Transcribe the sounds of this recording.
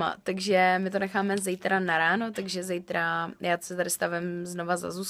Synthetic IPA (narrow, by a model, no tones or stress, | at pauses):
ma̰t̪aɡʒɛmɪt̪o̞nɛxaːmɛzɛjt̪ɾanaɾaːnot̪aɡʒɛzɛjt̪ɾajaːtsɛt̪adɪst̪avɛmzno̞vaza̰zuːs